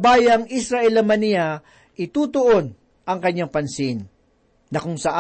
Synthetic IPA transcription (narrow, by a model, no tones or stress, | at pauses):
baːjɐŋʔisɾɐʔɛlɐmɐnɪja | ʔɪt̪uːt̪oʔon | ʔɐŋkɐɲːaŋpɐnsɪnː | ɐkʊŋsɐʔa